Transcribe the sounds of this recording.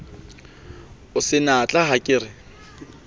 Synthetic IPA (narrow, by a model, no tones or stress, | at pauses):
ʊsɪnat͡ɬʼaɦakʼɪːrɪ